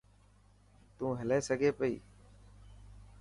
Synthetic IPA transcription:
t̪ũːɦəleːsəɡʱeːpəḭː

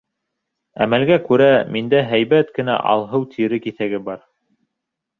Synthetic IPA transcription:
æ̰mælɡækʉɾæmind̪æɦæjβæt̪kɘ̆næ̰ʔɑ̰lˠɦɤwt̪ʰiɾɘkiθæɡɘbɑɾ

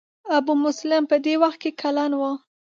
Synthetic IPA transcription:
abumʊslɪmpəd̪ewaxt̪̚kekʰalɑnwə

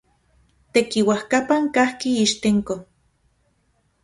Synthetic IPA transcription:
t̪ekiwahkapaŋkahkiiʃt̪eŋko

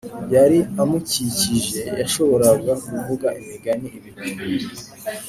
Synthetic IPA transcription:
jaɾiamuciciʒe̞jaʃo̞βo̞ɾaɡaɡuvuɡaʔimiɡaniiβiɾui

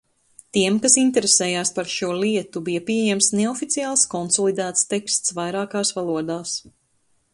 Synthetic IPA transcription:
t̪iɛmkasint̪ɛɾesɛːjaːspaɾʃuɔliɛt̪ubijapiɛjɛmsneɔfit̪sijaːlˠskɔnsɔlˠid̪æːt̪st̪ɛkst̪svajɾaːkaːsvalˠuɔd̪aːs

